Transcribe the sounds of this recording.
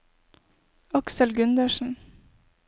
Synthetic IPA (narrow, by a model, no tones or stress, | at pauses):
ɑksəlɡʉnd̪əʃn̩